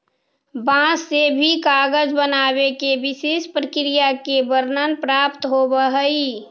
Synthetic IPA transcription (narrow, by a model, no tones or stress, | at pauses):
bãsːebʱikaːɡəd͡ʒbənaːbekebɪsespɾəkɾijakebəɾnənpɾaːpt̪ɦobəɦəi